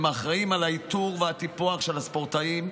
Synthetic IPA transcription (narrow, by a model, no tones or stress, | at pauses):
maχʁaimalait̪uʁveat̪ipoaχʃe̞laspoʁt̪aim